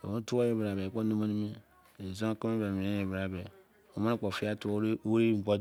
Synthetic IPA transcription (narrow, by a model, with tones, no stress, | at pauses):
o̰˨o˦tu˦a˦je˦bɾa˨be˨k͡po˦no˦ma˦ni˦me˦ | e˨zo˦ki˦me˦be˨mi˨e˦je˨bɾa˨be˨ | o˨ma˦ne˦k͡po˨fi˦a˦tu˦ɾe˦˨ɡ͡bo˦